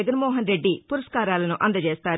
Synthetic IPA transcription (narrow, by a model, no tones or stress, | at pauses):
ɡɐnmɔːɦɐnɾe̞ɖːipuɾɐʂkaːɾaːlɐnuʔɐnd̪ɐt͡ʃeːst̪aː